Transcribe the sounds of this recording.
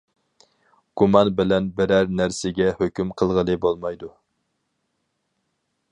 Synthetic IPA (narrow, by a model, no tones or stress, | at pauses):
ɡ̥umɑnbɪlɛnbɪɾæɾnæɾsɪɡʲɛhøkʲymqʰəlˠʁəlˠɨbolˠmɑjd̪u